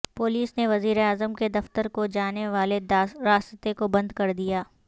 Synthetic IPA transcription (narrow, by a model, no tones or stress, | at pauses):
pʊːliːsneʋɐziːɾeaːzəmked̪ɐft̪əɾkod͡ʒaːneʋaːleɾaːst̪ekobɐ̃nd̪kɐɾd̪ijaː